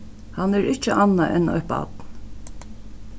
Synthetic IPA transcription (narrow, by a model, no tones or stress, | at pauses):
hanæɹɪt͡ʃːəʔɑnaʔɛnɔ̰pɑ̰d̪n